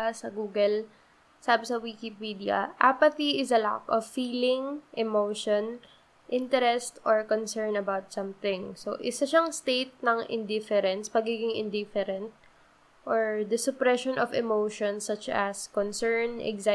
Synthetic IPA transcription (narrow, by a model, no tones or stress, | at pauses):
sɐɡuːɡɛl | saːbɛsɐwikipid̪iɐ̰ʔapɐt̪iɪzɐla̰kɔvfiːlɪŋʔɛmoʃɔn | ʔɪnt̪ɛɾɛst̪ʔɔɹkɔnsɛɹnɐbawt̪̚sɐ̃mθɪ̃ŋso̰ʔɪsɐʃaŋst̪ejt̪̚nɐŋɪ̰nd̪ɪfɛɾɛnspɐɡiːɡɪŋɪ̰nd̪ɪfɛɾɛ̃nt̪̚ | ʔoɹd̪ɐsʊpɾɛʃɔnʔɔvɛmowʃɔ̃nsɐt͡ʃɐskɔnsɛɹnʔɛ̰ɡza